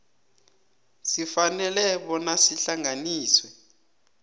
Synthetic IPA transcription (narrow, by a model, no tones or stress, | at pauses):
sifanɛlɛɓɔnasiɬaŋaniːswɛ